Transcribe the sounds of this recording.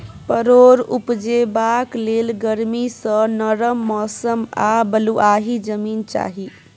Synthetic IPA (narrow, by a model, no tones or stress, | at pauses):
pəɾoɾṵpd͡ʒebaklelɡəɾmisə̃nəɾəmːɔsəmabəluʔaɦid͡ʒəmiːnt͡ʃa̰ɦi